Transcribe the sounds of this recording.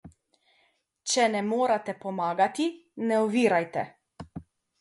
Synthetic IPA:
t͡ʃɛnɛmoːɾat̪ɛpɔmaːɡat̪inɛɔʋiːɾajt̪ɛ̰

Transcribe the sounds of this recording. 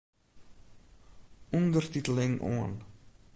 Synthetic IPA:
ɔndərt̪it̪əlɪŋʔɔ̰ːn

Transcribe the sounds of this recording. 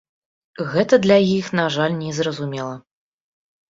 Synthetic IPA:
ɣɛt̪ɐd̪lʲajixnaʐalʲnʲɛzrɐzumʲɛlˠɐ

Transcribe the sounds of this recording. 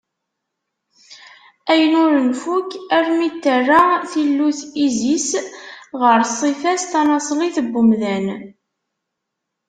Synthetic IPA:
æjənʊɾənfukæɾmit̪ːərːaθilːuθizisʁəɾsˤifæst̪ɑnɑsˤliθəbːʊmðæn

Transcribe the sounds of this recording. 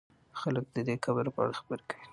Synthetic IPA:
xalək̚d̪əd̪ekabəɾopəa̰ɽaxḁbəɾkawi

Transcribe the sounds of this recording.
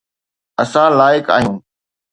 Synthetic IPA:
ɐsãlaːɪka̰ːɦijũː

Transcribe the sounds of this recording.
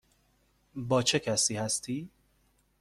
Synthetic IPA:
bɒːt͡ʃʰe̞kʰæsiːhæst̪ʰiː

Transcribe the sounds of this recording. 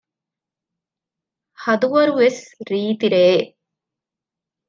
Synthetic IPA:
hɐd̪uʋɐɾuʋesɾiːt̪iɾeː

